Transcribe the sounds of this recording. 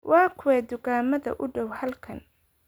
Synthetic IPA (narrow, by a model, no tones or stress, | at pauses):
wɑːkʰʊwɛːd̪ʊɣaːmɐðɐ̰ʔʊɖɔwhɐlkʰɐ̰n